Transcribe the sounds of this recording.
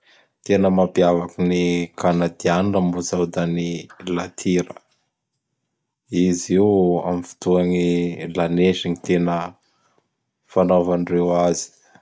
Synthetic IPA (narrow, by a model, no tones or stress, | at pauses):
t̪enəmapiavakinikanad̪ianunəmbuzawd̪anilat̪ʰiɾə | izia̰mifi̥t̪uanilaneʃiŋit̪enə | fanovanirewazi̥